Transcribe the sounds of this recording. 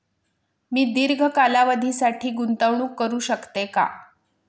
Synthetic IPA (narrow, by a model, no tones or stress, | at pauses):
miːd̪iɾɡʱəkalaʋəd̪ʱiːsaʈʰiːɡunt̪əʋɳ̃uːkːəɾuːɕəkt̪eka̰